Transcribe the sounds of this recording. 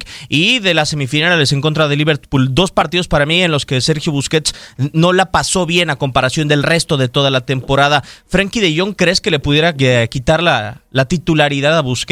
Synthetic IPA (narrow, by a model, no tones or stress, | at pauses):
iðelase̞mifinalales̬e̞ŋko̞nt̪ɾaðe̞liβe̞ɾt̪puld̪o̞spaɾt̪iðo̞spaɾamienlo̞skese̞ɾxjoβuske̞t̪sno̞lapaso̞βje̞nako̞mpaɾasjo̞nd̪e̞lre̞st̪o̞ðe̞t̪o̞ðalat̪e̞mpo̞ɾaðafɾaŋkiðe̞ʝo̞ŋkɾeske̞le̞puðje̞ɾakit̪aɾlalat̪it̪ulaɾiðaðaβusk